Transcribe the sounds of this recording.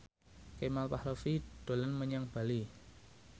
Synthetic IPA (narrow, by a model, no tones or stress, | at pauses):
kemalpahɾofiɖ̪̥o̤lənməɲaŋb̥a̤li